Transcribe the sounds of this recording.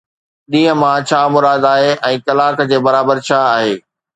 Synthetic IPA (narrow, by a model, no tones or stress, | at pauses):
ɗĩːə̃mãt͡ɕʰaːmʊɾaːd̪aːɦeʔɛ̃ːkɐlaːkd͡ʑeːbɐɾaːbəɾt͡ɕʰaːaːɦeː